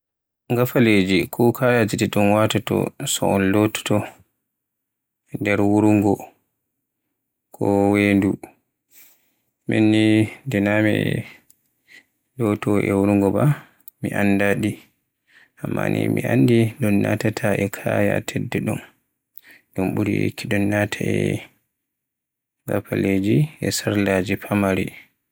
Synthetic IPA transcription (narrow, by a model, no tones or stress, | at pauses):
ŋɡafaled͡ʒikʰɔkʰajatɛdɛɗunwatatɔ̰sɔ̰ɔnlɔtɔ̥tɔ | dɛɾwuɾuŋɡɔ | kʰɔwendu | mḛnːindɛnamɛ | dɔtɔʔɛwuɾuŋɡɔba | miʔanːdaɗi | amːa̰nḭmiʔandiɗɔnːa̰tatʰaʔɛkʰaːja̰tʰɛdːɛɗum | ɗumɓuɾijḛkʰːiɗɔnːatʰaɛ | ɡa̰pʰaled͡ʒiɛsaɾlad͡ʒipʰamaɾi